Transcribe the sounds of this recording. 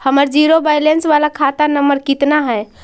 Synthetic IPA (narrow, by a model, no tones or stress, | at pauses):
həməɾd͡ʒiɾobajlensʋalakʰat̪anəməɾkit̪naɦəj